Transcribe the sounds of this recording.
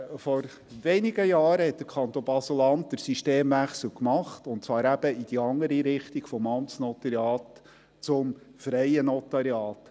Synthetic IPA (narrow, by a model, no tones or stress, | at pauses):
fɔɾ | ʋeniɡəjɑːɾəhɛt̚d̥əɾkʰɑnt̪ɔb̥ɑsəlɑnt̚d̪əɾsiʃteːmvæχsl̩kmɑχtʊntt͡sʋɑːɾæb̥əid̥iɑŋːəɾiɾɪχtiɡ̥fɔmɑmsnɔt̪ɑɾjɑːt | t͡sʊmfɾɛjənɔt̪ɑɾjɑːt̪